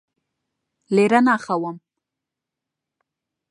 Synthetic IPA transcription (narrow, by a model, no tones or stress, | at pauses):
leɾanɑːxawəm